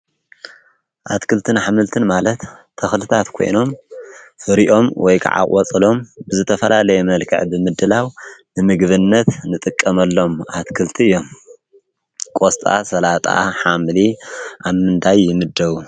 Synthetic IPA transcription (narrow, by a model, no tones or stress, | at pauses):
ʔat̪kʰɨlt̪ʰɨnħamɨlt̪ʰɨnmalɐt̪ʰː | ɐxlɨt̪ʰat̪kʰo̞̰jno̞mfɨɾiʔo̞mwɔjkʰa̰ʕa̰kʼwɔt͡sʼɨlo̞mbɨzɨt̪ʰɐfɐlalɐjɛmɐlkʰɐ̰ʕbɨmɨd̪ɨlawnɨmɨɡβɨnːɐt̪nɨt̪ʼɨkʼːɐmɐlːo̞mʔat̪kʰɨlt̪ʰiɨjːo̞m | kʼost̪ʼa̰sɐlat̪ʼa̰ħamliʔaβmɨnt̪ʰajːɪmɨd̪ːɐβu